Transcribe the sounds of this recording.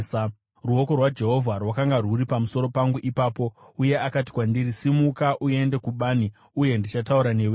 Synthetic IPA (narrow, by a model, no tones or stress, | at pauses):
ruo̞ko̞rwad͡ʒe̞ɦo̞vʱarwakaŋɡaruɾipamuso̞ɾo̞paŋɡuʔipaːpo̞uje̞akat̬i̥kwandiɾisimukaʔue̞nde̞kuɓaːni | uje̞ndit͡ʃatauɾane̞we